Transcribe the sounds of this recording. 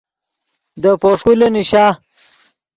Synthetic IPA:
d̪əpoʂkuleniɕaː

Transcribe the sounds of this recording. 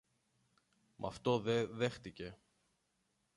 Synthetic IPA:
mʔɐ̰ft̪o̞ðeðe̞xt̪ice̞

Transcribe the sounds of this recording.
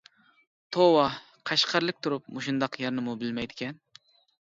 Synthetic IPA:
t̪ʰowɑ | qʰɑʃqʰɑɾlˠɪk̚ʲt̪ʰuɾup̚mʊʃund̪ɑqjɑɾnɨmʊbɪlmɛjd̪ɪkʲɛn

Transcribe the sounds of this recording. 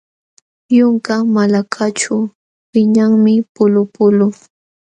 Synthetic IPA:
jʊŋkamalakʰat͡ʃʊ | wɪɲaŋmɪpʊlʊpʊlʊŋ

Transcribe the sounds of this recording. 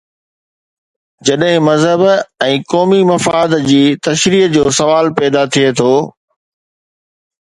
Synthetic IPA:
d͡ʑɐɗɦɪ̃mɐzɦəbɛ̃ːkɔːmimɐfaːd̪d͡ʑiːt̪ɐʃɾiːd͡ʑoːsɐʋaːlpɛːd̪at̪ʰiet̪ʰoː

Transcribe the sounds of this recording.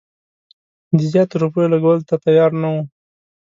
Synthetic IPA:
d̪əzjɑt̪ɾupojolaɡawəlt̪at̪ajɑɾnawu

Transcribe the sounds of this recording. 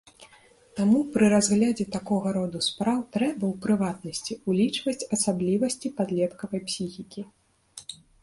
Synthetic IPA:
t̪amupɾɨɾazɣlʲad͡zʲɛt̪akɔɣɐɾɔd̪uspɾawt̪ɾɛbɐwpɾɨvat̪nɐsʲt͡sʲiulʲit͡ʂvɐsʲt͡sʲɐsablʲivɐsʲt͡sʲipad̪lʲɛt̪kɐvɐjpsʲixʲikʲi

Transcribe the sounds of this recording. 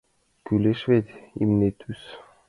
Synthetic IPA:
kyleʃvet̪ʲḭmnet̪ʰys

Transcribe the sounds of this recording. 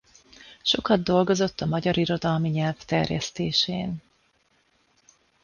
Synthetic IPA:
ʃo̞kɒd̪ːo̞lɡo̞zo̞t̪ːɒmɒɟɒɾiɾo̞d̪ɒlmiɲɛlvt̪ɛrjɛ̰st̪eːʃeːn

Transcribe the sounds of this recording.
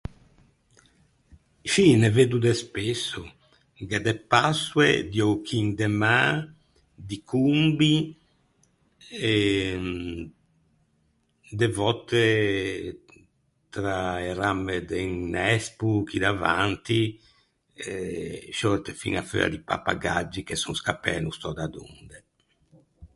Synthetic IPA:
ʃineved̪ud̪ɛspesːu | ɡɛd̪ɛpaswḛd̪jɔwkʰiŋd̪ɛma | d̪ikʰumbi | ɛ | d̪ɛvɔt̪ːe | t̪ɾaeɾamed̪ɛŋnɛspukid̪avant̪i | ʃɔɾt̪efḭŋafø̰a̰d̪ipa̰pa̰ɡad͡ʒːikesunskapɛ̰ːnust̪ɔd̪ad̪ṵnd̪ɛ

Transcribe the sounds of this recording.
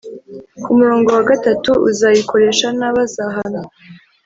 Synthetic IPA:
kumuɾoːŋɡo̞waɡatatuʔṵzajiko̞ɾe̞ʃanaβazaɦana

